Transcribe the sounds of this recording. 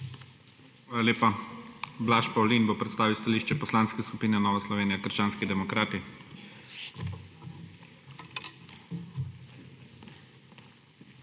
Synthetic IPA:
xʋaːlalʲjeːpa | blaʃpawlinbopɾɛt̪st̪aːʋiwst̪aliːʃt͡ʃɛpɔslaːnskɛskupiːnɛnɔːʋaslɔʋeːnijakəɾʃt͡ʃaːnskid̪ɛmɔkɾaːt̪i

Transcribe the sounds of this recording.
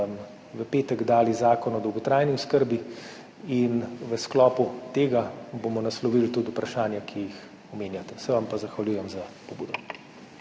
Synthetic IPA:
m | ʋəpeːt̪ɛɡd̪aːlizaːkɔnɔd̪ɔwɡɔt̪ɾaːjniʊskəɾbi | inʋəsklɔːput̪eːɡabomɔnaslɔʋilt̪ud̪upɾaʃaːnjakʰijix | ɔmeːnjat̪ɛ̥sɛʋampazaxʋaljuːjɛmzapɔbuːd̪ɔ

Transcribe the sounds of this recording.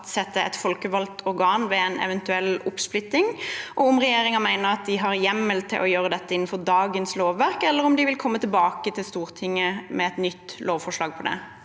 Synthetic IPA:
t̪sɛt̪ːəɛ̰t̪fɔlkəʋɑlt̪ʰɔɾɡɑːnʋɛɛnɛ̰ʋɛnt̪ʉɛlːʊpsplʏt̪ːɪŋʔɔʊmʁɛjeːɾɪŋəmæɪnəɾɑt̪̚d̪ɪɦɑɾjɛmːəlt̪ʰːɪ̰ʔɔjøːɾəd̪ɛt̪ːəɪnːn̩fɔɾd̪ɑːɡənsloːʋːæɾkɛlːəɾʊmd̪ɪʋɪlkʰɔmːət̪ʰɪlbɑːkət̪ʰɪlst̪uːʁt̪ʰɪŋːəmɛɛt̪nʏt̪ːloːʋfɔʂɭɑːɡ̚pʰɔd̪ɛ̰

